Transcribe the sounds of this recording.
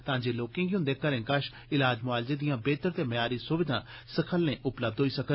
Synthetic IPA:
t̪ãːd͡ʒeːloːkɪ̃ŋɡiɦʊ̃nd̪eːkəɾẽːkəʃ | ɪlaːd͡ʒmʊaːlzeːd̪ɪjãːbeːt̪əɾt̪eːməjaːɾiːsʊʋɪd̪ʱãːsəkʰəlːẽːʔʊpləb̚d̪ʱɦoːiːsəkə

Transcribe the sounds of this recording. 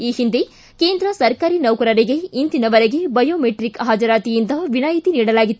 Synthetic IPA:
iːhind̪e | keːnd̪ɾɐsɐɾkaːɾinɐwkɐɾɐɾiɡe̞ind̪inɐʋɐɾeɡe̞bɐjoːmeʈɾikɦaːd͡ʒɐɾaːt̪ijind̪ɐʋinaːjit̪iniːɽɐlaːɡit̪ː

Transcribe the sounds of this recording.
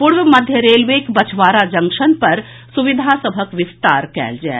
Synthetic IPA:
pʊɽʋəmɐd̪ʱjəɾeːlʋeːkbɐt͡ʃʰʋaːɾad͡ʒɐ̃ŋkʃənpɐɾ | sʊʋɪd̪ʱasəbʱəkʋɪst̪a̰ːɾkɛ̰ːld͡ʒa̰ː

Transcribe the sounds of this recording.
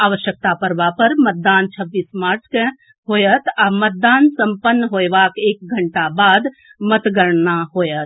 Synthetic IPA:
aʋəʃjək̚t̪apəɾbapəɾmət̪̚d̪aːnt͡ʃʰəbːiːsmaːɾt͡ʃʰke | ɦojət̪amət̪̚d̪aːnsəmpənːəɦojʋakeːk̚ɡʱəɳʈabaːd̪ | mət̪ɡəɾnaɦojət̪

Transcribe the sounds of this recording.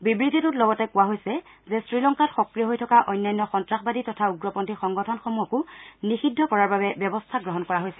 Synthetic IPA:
bibɹidʱitutlɔɡɔtɛkʊwaɦojsɛ | zɛsɹilɔŋkatxɔkɹijɔɦojtʰɔkaʔɔjnːajnːɔxɔntɹaxbaditɔtʰauɡɹɔpɔntixɔŋɡɔtʰɔnxomuɔkʊnixidʱːɔkɔɹaɹbabɛbjɛbɔstʰaɡɹɔɦɔnkɔɹaɦojsɛ

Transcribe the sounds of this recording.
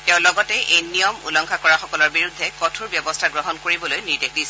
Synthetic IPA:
tɛʊ̃lɔɡɔtɛʔejnijɔmṵlɔŋkʰakɔɹaxɔkɔlɔɹbiɹudʱːɛkɔtʰuɹbjɔbɔstʰaɡɹɔɦɔnkoɹibɔlojniɹdek̚disɛ

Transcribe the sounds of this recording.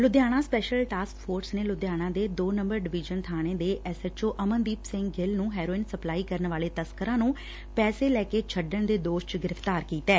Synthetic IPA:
lʊd̪jaːɽ̃ãːspɛːʃəlʈaːskpʰoːɾsneːlʊd̪jaːɽ̃ãːd̪eːd̪oːnə̃mbəɾɖɪʋɪd͡ʒənt̪ʰaːneːd̪eːʔɛsət͡ʃoːʔəmənd̪iːpsɪ̃ŋɡɡɪlnũːɦɛːɾoːɪnsəplaːiːkəɾnʋaːleːt̪əskəɾãːnũː | pɛːseːlɛːkeːt͡ʃʰəɖəɳd̪eːd̪oːʃt͡ʃɡɪɾəft̪aːɾkiːt̪ɛː

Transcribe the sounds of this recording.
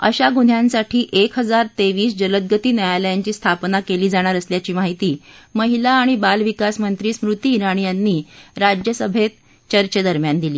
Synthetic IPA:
ə̰ɕaɡun̤ʱjansaʈʰiːʔekʰɦəd͡zaɾt̪eʋiːsd͡ʑələd̪̚ɡət̪iːnajajləjant͡ɕiːst̪ʰapnakeliːd͡zaɽ̃aɾəsljat͡ɕiːmaɦit̪iːməɦilaːɽ̃ibalʋikasmənt̪ɾiːsmɾut̪iːɾaɽ̃ijanːiːɾad͡ʑjəsəbʱet̪ | t͡ɕəɾt͡ɕəd̪əɾmjand̪iliː

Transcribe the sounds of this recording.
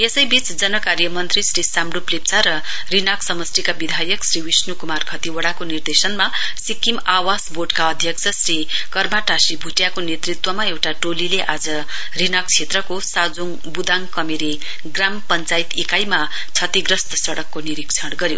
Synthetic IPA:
esʌjbit͡sd͡zʌnʌkarjʌmʌnt̪risrisamɽuplep̚t͡sʰaɾʌ | rinʌksʌmʌsʈikabid̪ʱajʌksriwisnukumarkʰʌt̪iwʌɽakonird̪esʌnma | sikːimawasboʈkaʌd̪ʱjʌk̚t͡sʰʌsrikʌrmaʈasibʱuʈjakonet̪rit̪wʌmaewʈaʈolileʔad͡zʌ | rinak̚t͡sʰet̪rʌkosad͡zoŋ | bud̪aŋkʌmeɾe | ɡrampʌnt͡sajt̪ikajma | t͡sʰʌt̪iɡrʌst̪ʌsʌɽʌkːoniɾikt͡sʰʌɽɡʌɾjo̰

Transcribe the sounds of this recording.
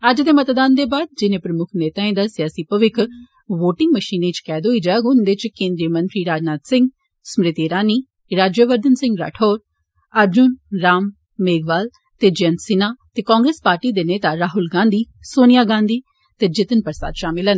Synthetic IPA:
əd͡ʒd̪eːmət̪d̪aːnd̪eːbaːd̪̚d͡ʒɪnẽːpɾəmʊkʰneːt̪aːẽːd̪aːsɪjaːsiːpəʋɪkʰ | ʋoːʈɪ̃ŋɡməʃiːnẽːt͡ʃkɛːd̪oːiːd͡ʒaːɡʊnd̪et͡ʃkẽːnd̪ɾijəmənt̪ɾiːɾaːd͡ʒnaːt̪sɪ̃ŋɡ | smɾɪt̪iɾaːniː | ɾaːd͡ʒjəʋəɾd̪ənsɪ̃ŋɡɾa̰ːʈʰoːɾ | əɾd͡ʒʊnɾaːmː | eːɡʋaːl | t̪eːd͡ʒənsɪnaːt̪eːkãːŋɡɾeːspaːɾʈiːd̪eːneːt̪aːɾaːɦʊlɡãːnd̪iː | soːnɪjaːɡãːnd̪iː | t̪eːd͡ʒɪt̪ənpəɾsa̰ːd̪ʃaːmɪlɛn

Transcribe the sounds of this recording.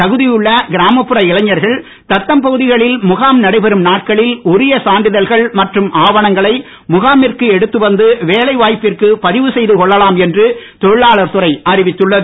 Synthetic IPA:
t̪ɐɣɯðɪjɯɭːɐɡɪɾaːmɐpːɯɾɐɪlɐɲːɐɾɣɐɭ | t̪ɐt̪ːɐmpɐɣɯðɪɣɐɭɪlmʊɣaːmnɐɽɐɪpɛɾɯmnaːʈ̚kɐɭɪlʊɾɪjɐsaːnɖɪðɐlɣɐɭmɐʈrɯmʔaːʋɐɳɐŋɡɐɭɐɪ | mʊɣaːmɪrkɯɛɽɯt̪ːɯʋɐnd̪ɯʋeːlɐɪʋaːjpːɪrkɯpɐðɪʋɯsɛjðɯkɔɭːɐlaːmɛndrɯt̪ɔɻɯɭaːɭɐɾt̪ɯrɐɪʔɐɾɪʋɪt̪ːɯɭːɐðɯ

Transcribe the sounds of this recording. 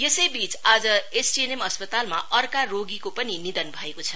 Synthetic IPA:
jesʌjbit͡sad͡zʌesʈienemʌspʌt̪alma̰ʔʌrkaroɡikopʌninid̪ʌnbʱʌekot͡sʰʌ

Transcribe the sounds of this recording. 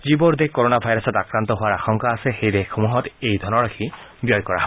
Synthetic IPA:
zibɔɹd̪ekoɹonabʱajɾɔsɔtakɹant̪ɔɦʊwaɹaxɔŋkaːsexejdekʰomuɦɔtejd̪ʱɔnɔɹakʰi | bjɔjkɔɹa̰ɦɔ

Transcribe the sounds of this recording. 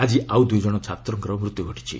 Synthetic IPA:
ad͡ʒiʔawd̪ujd͡ʒɔɽ̃ɔt͡ʃʰat̪ɾɔŋkɔɾɔmɾut̪ːjuɡʱɔʈʰi̥t͡ʃʰḭ

